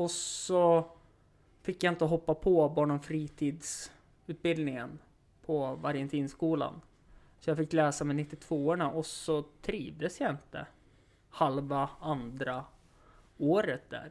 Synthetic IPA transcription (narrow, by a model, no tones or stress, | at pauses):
ɔsɔ | fɪkːjaɪnt̪əɦɔpːapʰɔbɑːɳɔmfɾiːt̪ʰiːd̪s | ʉ̟ːt̪̚bɪld̪nɪŋən | pʰɔvaɾjant̪ʰiːnskuːla̰n | sɔjafɪkːlɛːsamɛnɪt̪ːɪt̪ʰv̥oːɳaʔɔsɔt̪ʰɾiːvd̪əsjaɪnt̪ə̰ | halvaand̪ɾa | oːɾət̪̚d̪æ̰ːɾ